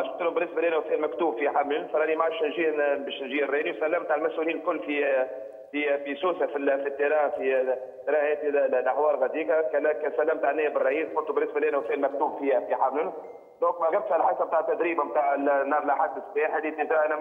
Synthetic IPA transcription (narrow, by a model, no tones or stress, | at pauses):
ʃʊt̪lumbɪnːɪsbælʔæːnæwsɛːlmækt̪uːbfiħamlʊnfɑɾˤɑnimaʕaʃnʒiːbɛːʃnʒiːərːɛːniwsælːæmbt̪aːʕəlmæsʔuliːnlkʊlːfi | fibisuːsafifit̪ːeɾɑːfi | t̪ɾˤɑːhhɛːt̪illʔaħwɑːɾˤɣæd̪iːkakælækɛsælːæmt̪aːʕnːæːəbərːɑʔiːsxʊnt̪ubɪnːɪsbælʔæːnæwsɛːlmæk̚t̪uːbfihæfiħamlʊn | lõːkmaɡæb̚t̪hælħasab̚t̪aːʕət̪ːæd̪ɾiːbamt̪aːʕɪlnːɑːɾˤlʔaħad̪ːəsbiːħælit̪ːɪtɑʔænæ